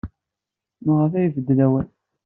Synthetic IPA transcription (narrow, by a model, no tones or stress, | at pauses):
məʁəfæjvəd̪ːlæwæn